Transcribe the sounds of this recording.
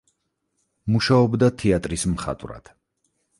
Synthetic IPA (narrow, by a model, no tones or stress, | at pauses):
muʃaɔbd̪at̪ʰɛat̪ʼɾismχa̰t̪ʼvɾa̰d̪̥